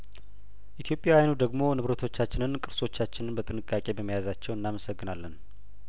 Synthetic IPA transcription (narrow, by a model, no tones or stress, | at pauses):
ʔit̪ʰijo̞pʼːjawajnud̪əɡmo̞nɨβɾət̪ʰo̞t͡ʃːat͡ʃːɪnɨnkʼɨɾso̞t͡ʃːat͡ʃːɪnɨnbət̪ʼɨnɨkʼːakʼe̞bəmːijazat͡ʃːɛwɨnːaməsəɡːɨnalːən